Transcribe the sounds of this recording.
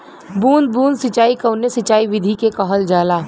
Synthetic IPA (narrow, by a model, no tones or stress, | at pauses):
buːnd̪̚bũːnd̪sɪt͡ʃaːikɐʊnesɪt͡ʃaːiʋɪd̪ʱikekɔɦəld͡ʒaːlaː